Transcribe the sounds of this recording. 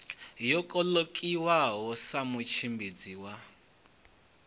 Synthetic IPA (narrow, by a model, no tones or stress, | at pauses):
jɔkʼɔlokʼiwaɦɔsamut͡ʃʰimbid͡ziwa